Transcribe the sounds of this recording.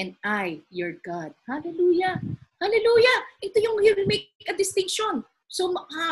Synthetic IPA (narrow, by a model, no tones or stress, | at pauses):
ɛ̃nd̪̚ʔajjɔɹɡad̪̚halɛluːjɐhalɛluːjɐʔɛt̪ojʊŋhiwɪlmekɐd̪ɪst̪ɪŋkʃon | somɐka